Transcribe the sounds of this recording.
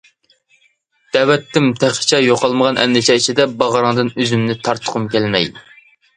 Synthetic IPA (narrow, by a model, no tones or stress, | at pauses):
d̪̥ɛwɛt̪ʰːɪmt̪ʰæχt͡ʃʰɛjoqʰɑlˠməʁɑnʔɛ̰nːɪt͡ʃʰɛit͡ʃʰid̪ɛbɑʁɾɑŋd̪ɨnøzymnɪt̪ʰɑɾt̪ʰːə̥qʰʊmkʲɛlmɛj